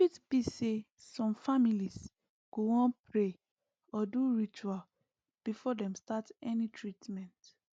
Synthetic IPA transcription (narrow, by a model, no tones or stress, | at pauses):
itbise | sɔ̃mfamilis | ɡ̥owɔ̃npʰɹe | ɔduɹit͡ʃual | b̥ifɔdɛ̃mstatɛnitʰɹitmɛ̃nt